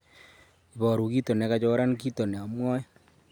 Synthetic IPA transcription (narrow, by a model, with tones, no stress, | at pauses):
i˨βɔː˨ɾu˨ki˦to˨ne˨˦ka˦t͡ʃo˦ɾa˦nki˦to˨ne˨a˨mwɔ˦jɔ˦